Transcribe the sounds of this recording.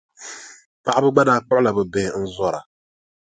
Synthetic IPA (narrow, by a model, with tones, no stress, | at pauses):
pa˨ʔbɨ˦ɡ͡ba˦daː˦k͡pʊ˦ʔʊ˦la˨bɨ˨be˨n̩˦zɔ˦ɾa˨